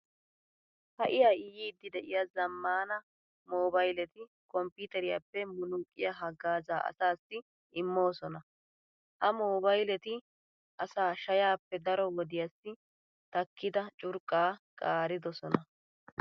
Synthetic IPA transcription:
hɐʔɪjaːɪjiːd̪ːɪd̪ɛʔɪjazɐmːaːnɐ | moːbɐjlɛt̪ɪ | kʼɔmpːiːt̪ɛɾɪja̰pːɛmʊnuːkʼːɪ̰jɐɦɐɡaːza̰ːʔɐ̰saːsːɪ | ɪmːo̞ːsɔnɐ | hɐmoːbɐjlɛt̪ɪ | ʔɐsaːʃɐjaːpːɛd̪ɐɾɔwɔd̪ɪjasːɪ | t̪ɐkːɪd̪ɐt͡ʃʼʊɾkʼːaːkʼaːɾɪd̪ɔsɔnɐ

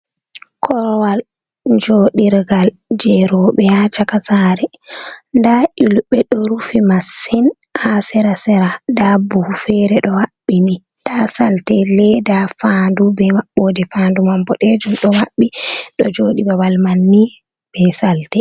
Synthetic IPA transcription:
kʰɔɾwal | d͡ʒoːɗiɾɡal | d͡ʒɛɾɔɓɛat͡ʃakasaɾɛndaʔiluɓɛɗɔɾufimasin | asɛɾasɛɾadabuhfɛɾɛɗɔwaɓːini | tasaltɛlɛdafandubɛmaɓːɔdɛfandumambɔɗɛd͡ʒumɗɔwaɓːiɗɔ̰d͡ʒoːɗibawalmanːi | b̥ɛsaltɛ

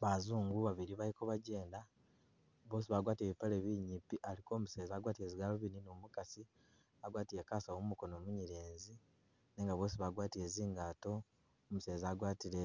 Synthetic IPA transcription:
βazuːŋɡuβaβiɾiβalikoβaɟe̞ːnda | βo̞ːs̬iβaɡwaːtieβipale̞βiɲipiʔaliko̞ːmuseːzaːɡwaːtie̞ːziɡaloβininomukasi | aɡwaːtijekaːsawoumuko̞no̞ːmuɲiɾeːnzi | neːŋɡaβo̞ːsiβaɡwaːtiɾeːziːŋɡaːto̞ː | museːzaːɡwaːtiɾe

